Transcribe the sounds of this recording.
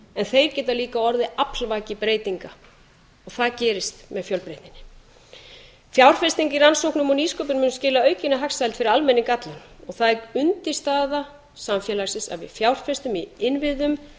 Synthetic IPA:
ɛnθejɾcɛːt̪aliːkaɔɾðɪaplvaːcɪpɾeːjt̪iŋka | ɔɣθaðcɛːɾɪst̪mɛðfjœlpɾejt̪ɪnːɪ̥ | fjawr̥fɛst̪iŋkiransowhknʏmɔniːskœpʏɾmʏːnʏscɪːlaœɥcɪnaɦaksajlt̪fɪɾɪɾalmɛnːɪkat̪lɪn | ɔɣθaðɛkʏnt̪ɪst̪aːða | samfjɛːlaɾsɪnsa̰vɪ̰fjawr̥fɛst̪ʏmiɪnvɪðʏm

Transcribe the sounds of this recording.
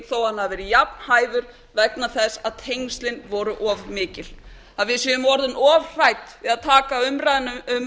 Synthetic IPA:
θowhanːavɛːɾɪjapn̥haːjðʏɾ̥ | vɛknaθɛsːaðt̪ʰejŋst̪lɪnvɔːɾʏʔɔːvmɪːcɪl̥ | aðvɪðsjɛʏmɔɾðʏnɔːvr̥ajt̪ɪðaðt̪ʰaːkaʏmɾajðnʏʏm

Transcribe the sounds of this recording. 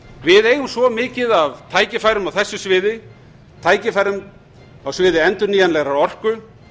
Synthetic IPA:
vɪðeːjɣʏmsvɔmɪːcɪðavt̪ʰaːjcɪfaːjɾʏmawθɛsːʏsvɪːðɪ | t̪ʰaːjcɪfajɾʏm | awsvɪːðɪɛnt̪ʏɾniːjanlɛɣɾawɔr̥kʏ

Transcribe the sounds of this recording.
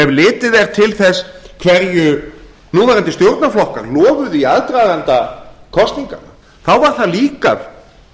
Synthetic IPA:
ɛvlɪːt̪ɪðɛɾ̥t̪ʰɪlθɛskʰvɛɾjʏ | nuːaɾɛnt̪ɪst̪jowɾt̪naflɔhkaɾlɔːvʏðiaðt̪ɾaːɣant̪akʰɔst̪niŋka̰na | θawvaɾ̥θaðliːka̰ð

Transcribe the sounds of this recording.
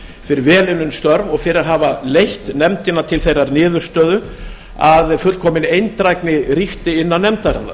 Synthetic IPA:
fɪɾɪɾvɛːlɪnʏnst̪œɾvɔɣfɪɾɪɾaɾɦaːvalejht̪nɛmt̪ɪnːat̪ʰɪlθejrːaɾnɪːðʏɾ̥st̪œːðʏ | aðfʏlkʰɔːmɪnejnt̪ɾajknɪriht̪ɪɪnːanɛmt̪aɾa̰nːa̰

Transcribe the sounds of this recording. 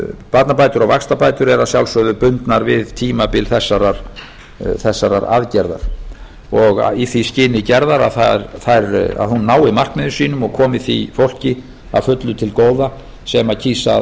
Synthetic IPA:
pat̪napaːjt̪ʏɾawvakst̪apaːjt̪ʏɾɛɾasjawlsœðʏpʏnt̪naɾvɪðt̪ʰiːmapɪlθɛsːaɾaɾ̥ | θɛsːaɾa̰ɾa̰ðcɛɾða̰ɾ̥ | ɔɣ̰iθiscɪːnɪcɛɾðaɾaðθaɾθajɾa̰ðhunːaːwɪmar̥kmɪðʏsiːnʏmɔɣkʰɔːmɪθifowl̥cɪ | a̰ðfʏt̪lʏt̪ʰɪlkoːwða | sɛmacʰiːsa̰

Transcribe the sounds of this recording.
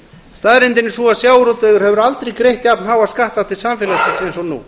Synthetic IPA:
st̪aðɾɪnt̪ɪnːɪsɔasjaːwɾɔt̪œɣʏɾhɛvʏɾalt̪ɾejkɾejht̪japnɦaːwaðskaht̪awt̪ʰɪlsamfɛːlat̪ʰɪ̥t̪ɾejnsɔnṵ

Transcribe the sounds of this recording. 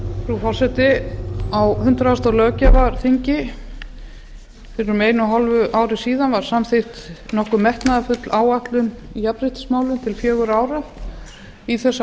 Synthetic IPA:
fɾufɔr̥sɛht̪ɪawhʏnt̪ɾaast̪awlœːcavaɾθiɲcɪ | fɪɾɪɾʏɾmeːjnʏɦalvʏʔaːwɾɪsiːðanvaɾ̥samθɪht̪nɔhkʏmːɛht̪naðafʏt̪laːwaht̪lʏm | ijapɾɪht̪ɪ̥smaːwlʏmt̪ʰɪlfjœːɣʏɾaːwɾa | iθɛsː

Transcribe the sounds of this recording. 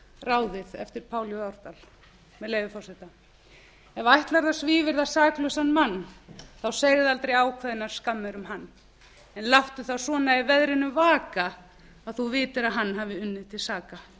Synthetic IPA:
raːwðɪðɛ̰ft̪ɪɾ̥pʰaːwljɔaɾt̪al | mɛðleːjvʏfɔwsɛt̪a | ɛvajht̪laɾðasviːvɪɾðasaːklœsanmanːθawsejɣɪðalt̪ɾejaːwkʰvɛðɪnaɾ̥skamːɛɾʏmhanː | ɛnlaft̪ʏθawsɔːnaɪvɛðɾɪnʏvaːka | aðθuvɪːt̪ɪɾaðɦanːɦaːvɪʏnːɪðt̪ʰɪlsaːka

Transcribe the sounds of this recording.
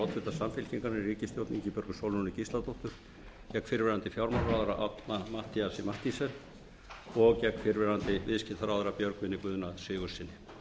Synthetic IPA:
awt̪fʏt̪asamfɪl̥cʰiŋkaɾnɪriːcɪst̪jowt̪niɲcɪpjœɾkʏsowlunɪcisat̪oht̪ʏɾ̥ | cɛkːfɪɾvɛɾant̪ɪfjawɾmaɾɾaːwðaɾaʔa̰t̪namaht̪iasɪmaht̪isɛɾ | ɔɣcɛkːfɪɾvɛɾant̪ɪvɪðscɪt̪ʰaɾawðaɾapjœɾkvɪnːɪkʏːðʏnasɪːɣʏ̥sɪnːɪ

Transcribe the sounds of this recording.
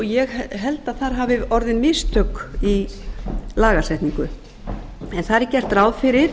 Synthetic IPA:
jɛɣɦɛlt̪aðθaɾ̥ɦaːvɪɔɾðɪnmɪst̪ʰœkːi | laːɣasɛht̪niŋkʏ | ɛnθaðɾɛcːɛr̥t̪ɾaːwðfɪɾɪɾ̥

